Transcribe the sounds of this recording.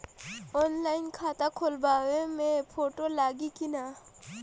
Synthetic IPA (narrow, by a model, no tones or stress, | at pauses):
ɔːnlaːɪnkʰaːt̪akʰolbaːʋẽmẽpʰoːʈolaːɡikinaː